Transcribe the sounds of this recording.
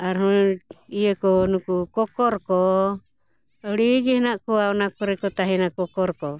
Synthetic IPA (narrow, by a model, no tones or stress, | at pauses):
aɾɦuiekɔnukukɔkɔɾkɔ | ɔɾiɡɛhnaʔkɔaɔnakuɾɛkɔt̪aɦinakɔkɔɾkɔ